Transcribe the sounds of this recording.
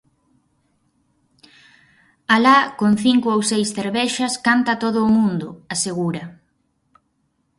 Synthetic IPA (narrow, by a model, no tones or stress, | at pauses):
alakonθiŋkʊowsejsθeɾβɛʃɐskant̪ɐt̪oð̞ʊːmũnd̪ʊaseɣ̞uɾɐ